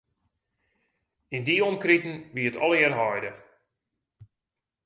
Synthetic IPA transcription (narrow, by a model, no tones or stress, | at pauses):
ɪndiɔmkritn̩ʋiətʰɔ̰lˠɪrɦɔjdə